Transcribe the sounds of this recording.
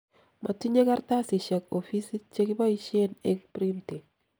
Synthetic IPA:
ma˨ti˦ɲe˦ka˦rta˦sɪ˨ʃa˨kofi˦si˦t͡ʃe˦kɪ˦ba˦i˦ʃe˦nɛ˦kpɾi˦nte˨

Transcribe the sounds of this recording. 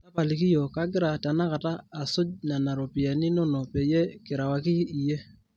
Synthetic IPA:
ta˦pa˨li˨ki˦jɔ˨ka˦ɡɪ˦ɾa˨ta˨na˦ka˨taː˦˨so˦na˨na˨ɾo˨pi˨a˨ni˦no˦no˨pɛ˨jɛ˦ke˨ɾa˨wa˨ki˦i˨je˦

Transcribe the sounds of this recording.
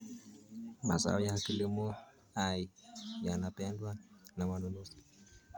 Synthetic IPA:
ma̰˨sa̰˦jaki˦li˦mo˦ | a˨ija˨na˨pɛ˦ndwa˦na˨mano˨no˦si̥

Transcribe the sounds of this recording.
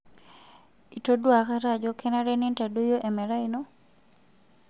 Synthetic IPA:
i˨to˦dwa˨ka˦ɾa˦d͡ʒo˦kʰɛ˦na˦ɾɛ˦nɪ˦nta˨du˦jo˦ʔe˨mɛ˨ɾa˦i˦no˦

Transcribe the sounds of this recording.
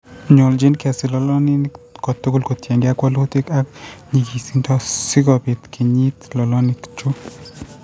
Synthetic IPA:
ɲo˨ld͡ʒɪ˦nkɛ˨sɪ˨lɔ˦lɔ˦ni˦nkɔ˨tʊ˦kʊ˦lko˨tjɛ˨ŋɡe˦a˦kwɔ˦lo˦t̪i˦ka˦kɲi˨ki˨si˦ntɔ˦sɪ˦ɡɔ˨bɪ˨t̪kʰi˨ɲi˦t̪lɔ˨lɔ˦nɪ˨kt͡ʃu˦

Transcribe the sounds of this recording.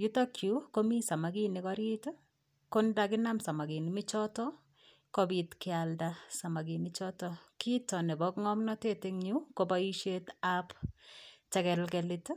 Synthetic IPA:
ju˦ta˦kju˨˦ko˦mi˦sa˨ma˨ɡi˦ni˦kɔɾi˦t | ko˦nda˦kɪ˦na˦msa˨ma˨ɡi˨ni˨mɪ˦t͡ʃɔ˦tɔ˦ | ko˦bi˨tkɪa˨ldasa˨ma˨ɡi˨nɪt͡ʃɔ˦tɔkitɔ˨nɛ˨bɔ˦kŋɔ˦mnɔ˦te˦tɪ˦ŋɲu˦ko˦baiʃe˦tap | t͡ʃɛ˦kɛ˨lkɛlɪ˦t

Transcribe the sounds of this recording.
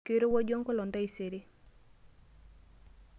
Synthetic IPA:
ke˦ɾo˦wa˦d͡ʒo˦ŋko˦lɔ˨nda˦i˨se˨ɾi˦

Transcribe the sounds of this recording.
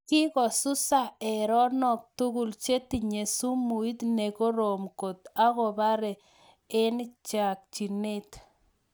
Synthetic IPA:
ki˦kɔ˨su˦sa˦e˨ɾɔ˦nɔ˨k̚t̪u˦ɡu˨lt͡ʃe˦t̪i˨ɲe˨su˦mu˨i˦t̪ne˨ko˦ɾo˨mko˨t̪a˦ɣo˨ba˦ɾe˨ | ɪ˦nt͡ʃa˨k̚t͡ʃi˨ne˦t̪

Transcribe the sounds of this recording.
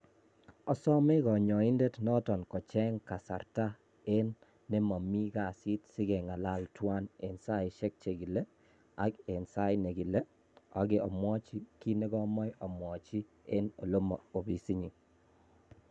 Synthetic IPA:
ɔ˦sɔ˦me˦kɔ˨ɲɔ˨i˦nde˦tnɔ˦tɔ˨nkɔ˨t͡ʃɛ˦ŋka˨sa̰˨ɾta˦ | e˦nː | e˦mɔ˨mi˦ka˨si˦tsɪ˦ɡɛ˨ŋa˨la˦ltwa˦ne˨nsa˦ɪ˨ʃe˦k̚t͡ʃe˨ɡi˨le˦ | a˦ke˨nsa˦ɪ˦ne˨ɡi˨le˦ | a̰˦ɡe˨ɔ̰˨mwɔ˦t͡ʃi˦ki˦ne˦ɡɔ˦mɔ˦jɔ˨mwɔ˨t͡ʃi˦ | e˦no̰˨lo˦mɔ˨o˨bi˨si˦ɲi˨

